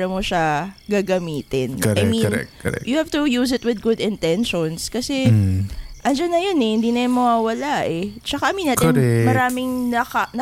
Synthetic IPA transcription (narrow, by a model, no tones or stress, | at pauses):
ɾɐmoʃaɡaːɡɐmiːt̪ɪnajminɾɛ̰kɾɛ̰jʊhaft̪ʊjuːs̬ɪt̪̚wɪd̪̚ɡʊd̪ɪnt̪ɛnʃonskɐsɛ | ʔɐnd͡ʒanːɐjonɛhɪnd̪inɐjʊnmɐwaːwɐlaʔɛt͡ʃɐkaʔɐminːaːt̪ɪnɛmɐɾaːmɪŋnɐkɐnɐ